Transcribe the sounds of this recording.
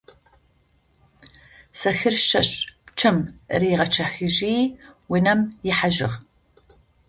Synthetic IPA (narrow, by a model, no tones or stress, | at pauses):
sɐxɨrʃɐɕpt͡ʃʰɐmriːʁɐt͡ʃʰɐxɨʒiːwinɐmjɪħaʒɪ̰ʁ